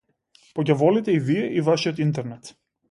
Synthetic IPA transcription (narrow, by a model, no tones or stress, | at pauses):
pɔcʲavɔlit̪ɛivijɛʔivaʃijot̪int̪ɛɾnɛt̪